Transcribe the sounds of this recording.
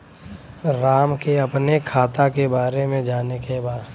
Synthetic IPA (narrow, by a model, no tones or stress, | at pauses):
ɾaːmkeɐpnekʰaːt̪akebaːɾemẽd͡ʒaːnekebaːd̪